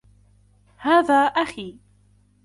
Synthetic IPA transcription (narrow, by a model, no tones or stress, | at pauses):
haːðaːʔaxiː